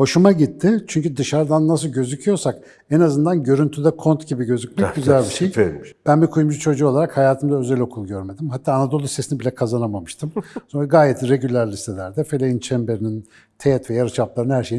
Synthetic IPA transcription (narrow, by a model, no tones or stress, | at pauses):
ho̞ʃumaɟit̪ʰːɪt͡ʃʰyɲcyd̪ɯʃaɾd̪anːasɯlˠɟø̞zycʰyjo̞ɾsak | ɛnazɯnd̪anɟø̞ɾynt̪ʰyd̪ɛkʰo̞nt̪ɟibiɟø̞zyc̚mɛɟyzælʲbiʃejb̥ænbikʰujumd͡ʒut͡ʃʰo̞d͡ʒuːo̞lˠaɾakhajaːt̪ʰɯmd̪aø̞zɛlʲo̞kʰulˠɟøɾme̞d̪imɦat̪ʰːaːnad̪o̞lˠusesinibilʲɛkʰazanamamɯʃt̪ʰɯmsonaɡaːjɛt̪ɾe̞ɟylʲːæɾlʲist̪ʰelʲæɾd̪ɛfelʲejint͡ʃʰɛmbeɾinin | t̪ʰejɛt̪vɛjaɾɯt͡ʃʰaplˠaɾɯnhæɾʃeji